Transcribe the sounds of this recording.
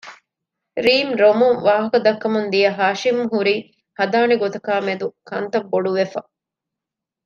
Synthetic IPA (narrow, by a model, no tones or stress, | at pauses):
ɾiːmɾomuŋʋaːɦɐkɐd̪ɐkːɐmund̪ijɐɦaːʃimɦuɾiː | hɐd̪aːniɡot̪ɐkaːmed̪ukɐnt̪ɐbːoɖuʋefɐ̰